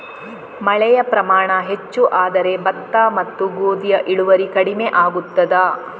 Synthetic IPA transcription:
mɐɭɛjɐpɾɐmaːɳɐɦet͡ʃːuʔaːd̪ɐɾe̞bɐt̪ːaːmɐt̪ːuɡoːd̪ijɐʔiɽuʋɐɾikɐɽimeʔaːɡut̪ːɐd̪aː

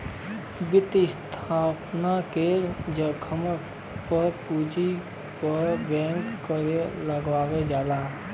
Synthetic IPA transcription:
bɪt̪ɪst̪ʰaːpnaked͡ʒəkʰəm | pəɾpuːd͡ʒi | pəɾbɛ̃ːŋkkəɾeləɡʋaːʋed͡ʒaːlaː

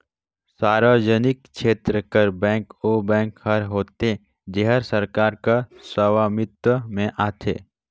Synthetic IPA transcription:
saːɾəd͡ʒənɪkʃʰeːt̪ɾəkəɾbɛ̃ːŋkobɛ̃ːŋkhəɾɦoːt̪e | d͡ʒeɦəɾsəɾkaːɾkasəʋaːmɪt̪wəmẽʔaːt̪ʰḛː

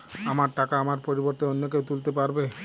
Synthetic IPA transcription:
amaɾʈakaamaɾpoɾiboɾt̪oonːokewt̪ult̪epaɾbe

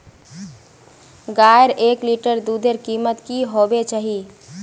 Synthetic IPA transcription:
ɡajɾʔekliʈəɾd̪ud̪eɾkimət̪kiɦobet͡ʃaɦi

